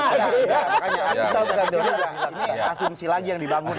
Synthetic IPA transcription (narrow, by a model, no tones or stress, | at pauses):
ajakaɲait̪akaladoɾjainiasʊmsilaɡijaŋdibaŋʊn